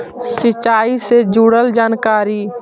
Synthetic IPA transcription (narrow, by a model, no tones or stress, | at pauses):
sɪt͡ʃːaːised͡ʒuɽəld͡ʒaːnkaːɾiː